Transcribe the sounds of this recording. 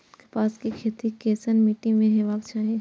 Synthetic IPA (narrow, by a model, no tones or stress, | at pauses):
ke̥paːskikʰeːt̪ikeːsənmiːʈɪ̃mẽɦeʋaːbt͡ʃaːɦẽ